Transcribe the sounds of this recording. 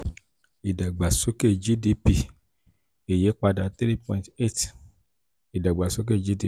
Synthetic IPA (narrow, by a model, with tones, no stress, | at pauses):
i˨da˨ɡ͡ba˨so˨˦ke˦˨d͡ʒi˦di˨˦pi˧ | e˨je˨˦k͡pa˧da˧˨t̪ɾi˦pɔ̃˧˨ĩ˨te˦˨t | i˨da˨ɡ͡ba˨so˦k̬e˦˨d͡ʒi˦di˧˦